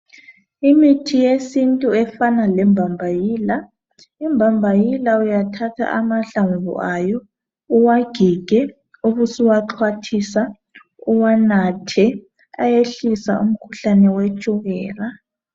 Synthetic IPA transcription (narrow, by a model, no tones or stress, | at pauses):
imitʰijesintʼuɛfanalɛmbʱambʱajiːla | imbʱambʱajilaujatʰatʰa̰ʔamaɬaɱvṵʔajɔ | uwaɡ̥ʱiɡ̥ʱɛ | uβusiwaǁʰwatʰisa | uwanatʰɛ | a̰jeɬisa̰ṵm̩kʰu̥ɬanɛwet͡ʃʼuɣɛːra